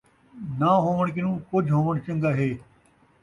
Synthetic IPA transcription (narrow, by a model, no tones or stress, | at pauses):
naːɦõːʋəɽ̃k̬ɪnũːkʊd͡ʒʱɦoːʋəɳ̃t͡ʃə̃ŋɡaːɦeː